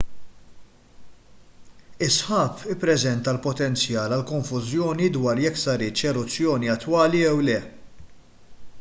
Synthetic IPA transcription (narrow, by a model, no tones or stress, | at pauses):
ɪsħɐːpɪpːɾɛzɛnt̪ɐlpɔt̪ɛnt͡sjɐːlɐlkɔɱfʊzjɔːnid̪wɐːɾjɛkːsɐɾɪt͡ʃɛɾʊt͡sːjɔːniɐt̪ːwɐːliɛwlɛ